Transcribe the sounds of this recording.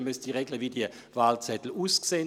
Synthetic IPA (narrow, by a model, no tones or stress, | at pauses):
mysd̥iʁeɡləvidiə | vaːlt͡sɛtl̩uːskseːn